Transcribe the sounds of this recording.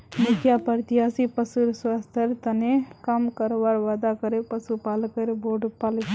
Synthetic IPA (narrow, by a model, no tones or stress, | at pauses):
mʊkʰjapɐɾt̪iɦaːsipəsuɾswaːst̪ʰəɾt̪ɐnekɐmkɐɾoʋaɾʋaːd̪akɐɾepɐsupaːlkəɾeboːɖpal